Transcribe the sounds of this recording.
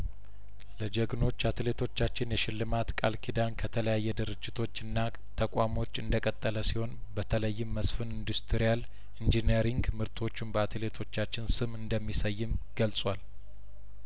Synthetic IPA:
ləd͡ʒəɡno̞t͡ʃːat̪le̞t̪ʰo̞t͡ʃːat͡ʃːɪnjɛʃɪlːɨmat̪kʼalkʰid̪ankʰət̪ʰələjajːɛd̪ɨɾɨd͡ʒːɪt̪ʰo̞t͡ʃːɨnːa | t̪ʰəkʼamo̞t͡ʃːɨnd̪əkʼət̪ʼːələsiho̞nbət̪ʰələjːɪmːəsfɨnind̪ust̪ʰɾijal | ind͡ʒineɾiŋɡmɨɾt̪ʰo̞t͡ʃːɪmbəat̪ʰle̞t̪ʰo̞t͡ʃːat͡ʃːɪnsɨmɨnd̪əmːisəjːɪmɡ̥əlt͡sʼwal

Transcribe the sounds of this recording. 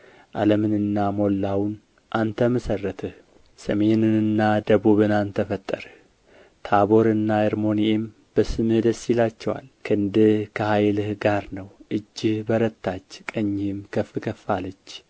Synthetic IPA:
ʔa̰ləmɨnɨnːamo̞lːawn | ʔant̪ʰəməsərːət̪ʰɨh | səme̞nɨnɨnːad̪əβuβɨnant̪ʰəfət̪ʼːəɾ | t̪ʰaβo̞ɾɨnːaəɾmo̞niem | b̥əsɨmɨhd̪əsːilat͡ʃːɛwa̰lkʰɨɨnd̪ɨhkʰəhajlɨhɡaɾnəwʔɨd͡ʒːɪhbəɾət̪ʰːat͡ʃːkʼəɲːɪmkʰəfɨkʰəfːalət͡ʃː

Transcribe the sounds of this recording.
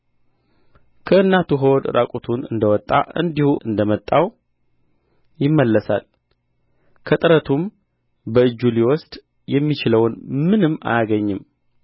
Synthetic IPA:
kʰəɨnːat̪uɦəwɔd̪ɨɾʔakʼut̪ʰunɨ̰nd̪əwɔt̪ʼːa̰ʔɨ̰nd̪ihuʔɨnd̪əmət̪ʼːaw | jɪmːəlːəsa̰l | kʰət̪ʼɨɾət̪ʰum | bəɨd͡ʒːuliwɔst̪ʼ | jɛmːit͡ʃɪləwnmɨnɨmːa̰jaɡəɲːɨm

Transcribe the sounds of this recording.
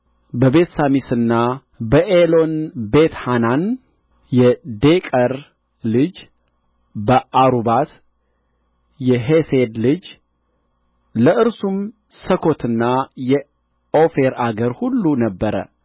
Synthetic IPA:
bəbe̞t̪samisɨnːa | bəʔelo̞nbet̪hanan | jɛd̪ekʼəɾ | lɨd͡ʒ | bəʔaɾubat̪ | jɛɦesed̪lɨd͡ʒ | ləʔɨɾsum | səkʰo̞t̪ʰɨnːajɛ | o̞feɾaɡəɾhulːunəbːəɾə̰

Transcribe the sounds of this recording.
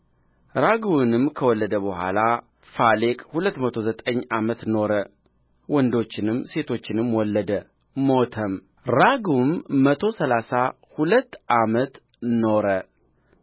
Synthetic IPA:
ɾaɡwnɨmkʰəwɔlːəd̪əbəhʷa̰la | falekʼhulət̪ːmət̪ʰo̞zət̪ʼəɲːʔamət̪no̞ɾə | wɔnd̪o̞t͡ʃːɪnɨmːse̞t̪ʰo̞t͡ʃːɪnɨmːwɔlːəd̪ə | mot̪ʰəm | ɾaɡumːət̪ʰo̞səlasa | hulət̪ːʔamət̪ | no̞ɾə

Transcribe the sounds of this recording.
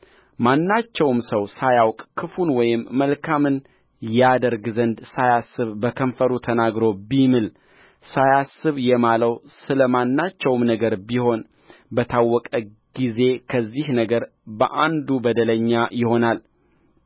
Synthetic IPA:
manːat͡ʃːɛwmsəwsajawkʼkʰɨfunwɔjɪmːəlkʰamɨn | jad̪əɾɡzənd̪sajasːɨβbəkʰəɱfəɾut̪ʰənaɡɾo̞bimɨl | sajasːɨβjɛmaləwsɨləmanːat͡ʃːɛwmnəɡəɾbiho̞n | bət̪ʰawːɔkʼə | ɡ̥ize̞kʰəzːihnəɡəɾ | bəʔand̪ubəd̪ələɲːajɪho̞nal

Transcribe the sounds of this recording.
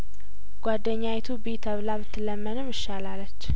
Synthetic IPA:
ɡ̥ʷwad̪ːəɲːajt̪ʰubet̪ʰəβlaβɨt̪ʰːɨləmːənɨmɨʃːalalːət͡ʃː

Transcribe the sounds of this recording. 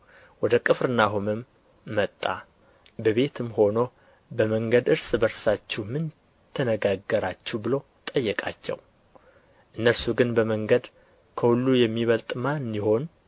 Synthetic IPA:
wɔd̪əkʼɨfɾɨnaɦumɨmː | ət̪ʼːa̰ | bəβe̞t̪ʰɨmho̞no | bəməŋɡəd̪ɨɾsbəɾsat͡ʃːɛmɨn | t̪ʰːənəɡaɡːəɾat͡ʃːɛbɨlo | t̪ʼəjːɛkʼa̰t͡ʃːɛ̰w | ʔɨnːəɾsuɡɨnbəməŋɡəd̪ | kʰəhulːujɛmːiβəlt̪ʼmanːiho̞n

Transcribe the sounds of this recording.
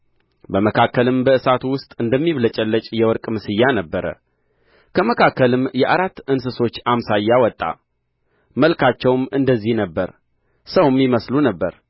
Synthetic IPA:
bəməkʰakːəlɨmbəɨsat̪uwʊst̪ʼɨnd̪əmːiβlət͡ʃʼɛlːət͡ʃʼjɛwɔɾkʼmɨsɨjːanəbːəɾə̰ | kʰəməkʰakːəlɨmjɛʔaɾat̪ːɨnsɨso̞t͡ʃːamsajːawɔt̪ʼːa̰ | məlkʰat͡ʃːɛwmɨnd̪əzːihnəbːəɾ | səwmjɪməslunəbːəɾ

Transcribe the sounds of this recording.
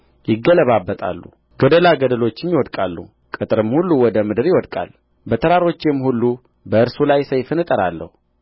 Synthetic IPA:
jɪɡːələβabːət̪ʼa̰lːṵ | ɡəd̪əlaɡəd̪əlo̞t͡ʃːɪnjɪwɔd̪kʼalːṵ | kʼɨt̪ʼɨɾɨmhulːuwɔd̪əmɨd̪ɨɾjɪwɔd̪kʼa̰l | bət̪ʰəɾaɾo̞t͡ʃːɪmːhulːu | bəɨɾsulajsəjfɨnɨt̪ʼəɾa̰lːə̰hu

